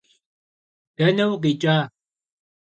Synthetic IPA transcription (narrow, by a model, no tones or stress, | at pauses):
d̥ɐnɐwqit͡ʃʼaː